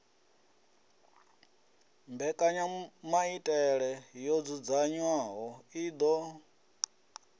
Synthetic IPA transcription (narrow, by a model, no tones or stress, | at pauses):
mbɛkʼaɲamaitʼɛɺɛjod͡zud͡zaɲwaɦɔid̪ɔ